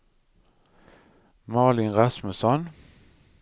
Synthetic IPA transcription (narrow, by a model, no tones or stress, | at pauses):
mɑːlɪnʁɑsməsɔn